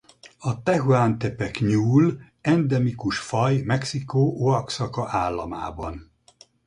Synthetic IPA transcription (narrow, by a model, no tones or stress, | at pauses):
ɒt̪ɛɦuaːnt̪ɛpɛkɲuːl | ɛnd̪ɛmikuʃfɒjmɛksikoːʔoɒksɒkɒʔaːlːɒma̰ːbɒn